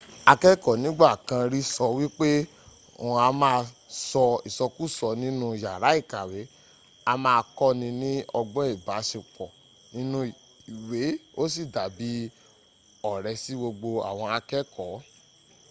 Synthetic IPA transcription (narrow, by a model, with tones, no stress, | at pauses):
a˧kɛ˦kɔ˨nĩ˨˦ɡ͡ba˦˨kã˧ɾi˦sɔ˧wi˦k͡pe˦ | o˨a˧mãː˧sɔ˧i˨sɔ˧ku˦˨sɔ˧nĩ˦nũ˦˨ja˨ɾa˨˦i˦˨ka˨we˨˦ | a˧mãː˧kɔ˦nĩ˧nĩ˦ɔ˧ɡ͡bɔ˦i˦˨ba˨˦ʃe˧k͡pɔ˨ | nĩ˦nũ˧i˨ | i˨we˨˦o˦si˦˨da˨bi˨˦ | ɔ˨ɾɛ˧˦si˦ɡ͡bo˧ɡ͡bo˧a̰˨w̃ɔ̃˧a˧kɛ˦kʰɔ˨˦